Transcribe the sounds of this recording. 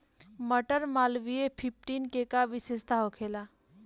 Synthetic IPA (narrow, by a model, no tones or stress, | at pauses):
məʈəɾmaːlʋiepʰɪp̚ʰʈiːnkekaʋɪseːst̪aɦokʰeːlaː